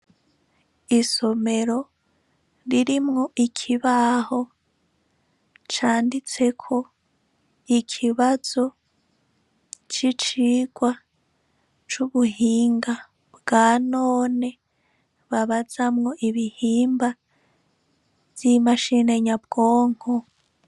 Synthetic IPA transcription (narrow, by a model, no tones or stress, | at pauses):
iso̞me̞ɾo̞ | ɾiɾimŋo̞ʔikʰiβaho̞ | t͡ʃaːndit͡se̞kʰo̞ | ikʰiβaz̥o̞ | t͡ʃit͡ʃiːɡ̥wa | t͡ʃuβuhiːŋɡa | bɡaːnoːne̞ | βaβaz̥amŋo̞ʔiβihiːmba | v̥imaʃine̞ɲab̚ɡoːŋ̥ho